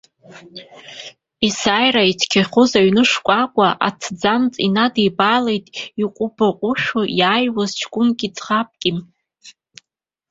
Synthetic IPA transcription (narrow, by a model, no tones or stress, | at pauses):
isaːjraitʰkʲʰaχʊzaɥnɨʂkʷʼakʷʼaʔa̰t͡sʰd͡zamt͡sʼinadejbalejtʼiqʷʼʊbaqʷʼʊʃujaːjwazt͡ʃʰkʷʼʊnkʲʼid͡zʰχap̚ʼkʲʼim